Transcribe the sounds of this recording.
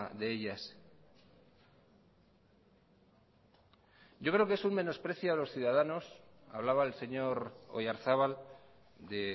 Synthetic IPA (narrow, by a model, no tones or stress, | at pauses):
ðe̞eʎas | ɟ͡ʝo̞kɾe̞o̞keesumme̞no̞spɾe̞θjoelo̞sθjuðaðano̞s | a̰βlaβaelse̞ɲo̞ɾo̰jaɾθaβal | d̪e